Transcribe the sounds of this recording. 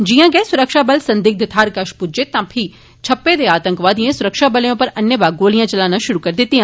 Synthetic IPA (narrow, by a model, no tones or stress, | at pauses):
d͡ʒijãːɡɛsʊɾəkʃaːbɐlsɐ̃nd̪ik̚d̪ɪt̪ʰaːɾkaʃpud͡ʒet̪ãpʰi | t͡ʃʰɐpːed̪eaːt̪ə̃ŋkʋaːd̪ĩẽsʊɾəkʃaːbɐljõpɐɾɐnjəbaːɡoːlijãt͡ʃɐlaːnãʃʊɾukɐɾd̪ɪt̪ːiɦã